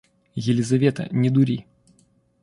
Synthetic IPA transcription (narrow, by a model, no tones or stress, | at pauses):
jɪlʲɪzɐvʲet̪ə̰nʲɪd̪ʊɾʲi